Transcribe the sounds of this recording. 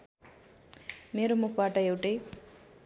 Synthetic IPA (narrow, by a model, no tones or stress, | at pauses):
meːɾomukʰbaʈʌewʈej